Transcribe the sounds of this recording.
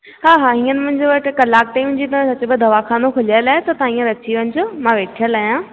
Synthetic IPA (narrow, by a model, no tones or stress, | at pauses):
ɦaːɦaːɦĩːənɪmɐ̃ɦɪ̃ɲd͡ʑoʋɐʈɪkɐlaːk̚ʈaĩmʊ̃ɲ̆d͡ʑit̪ɐ̃sɐt͡ɕʊbɪd̪ʱɐʋakʰaːnokʰʊlaːəlaːɦɪt̪ɐt̪ãːĩːə̃ɾɐt͡ɕiʋɐ̃ɪ̃d͡ʑoːmãʋeːʈʰijəlaːijãː